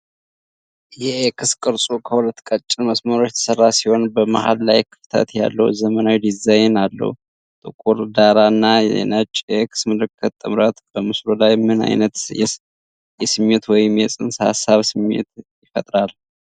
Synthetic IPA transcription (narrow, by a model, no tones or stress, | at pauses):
jɛkʰɨskʼɨɾsʼukʰəhulət̪ːkʼət͡ʃʼːɪnməsməɾo̞t͡ʃːɛt̪ʰə̥sərːasiho̞nbəma̰ha̰lla̰jkʰɨ̥ft̪ʰə̰t̪ja̰lːə̰wzəmənawid̪izajnalːə̰hu | t̪ʼɨkʼuɾd̪aɾanːajɛ̰nət͡ʃʼjɛkʰɨ̥smɨlɨkʰːət̪ʼːɨmɾət̪b̥əmɨslolajmɨna̰jnət̪jɛ̰ | jɛsɨmːet̪wɔjɪmjɛsʼɨnsha̰sːaβsɨmːḛt̪jɪfət̪ʼɾal